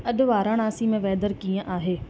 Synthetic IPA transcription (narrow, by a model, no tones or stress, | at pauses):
ɐɗʊ̆ʋaːɾãɽ̃aːsimẽʋɛːd̪əɾkiːə̃ʔaːɦeː